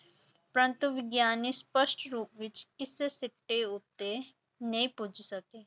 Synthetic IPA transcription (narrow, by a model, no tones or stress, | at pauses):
pɾə̃nt̪uʋɪɡjaːnispəsʈɾuːp̚ʋɪt͡ʃkɪsesɪʈːeʊt̪ːe | nɐĩpʊd͡ʒʱsəkeː